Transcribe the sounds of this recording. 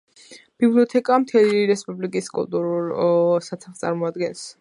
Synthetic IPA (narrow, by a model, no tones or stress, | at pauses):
b̥ibliɔt̪ʰɛkʼamt̪ʰɛliɾɛspʼublikʼiskʼṵlˠt̪ʼuɾulsat̪sʰaχst̪sʼa̰ɾmɔad̪ɡɛns